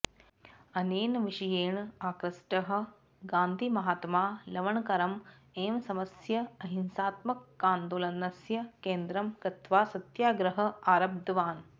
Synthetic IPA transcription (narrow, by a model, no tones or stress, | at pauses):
ɐneːnɐʋiʂɐjeːɳaːkɾɐsʈɐɦɐ̆ | ɡaːnd̪ʱimɐɦaːt̪maːlɐʋɐɳkɐɾɐm | eːmsɐmɐsjɐɐɦinsaːt̪mɐkːaːnd̪oːlɐnɐsjɐkeːnd̪ɾɐmkɐt̪ʋaːsɐt̪jaːɡɾɐɦɐ̆aːɾɐb̚d̪ʱɐʋaːn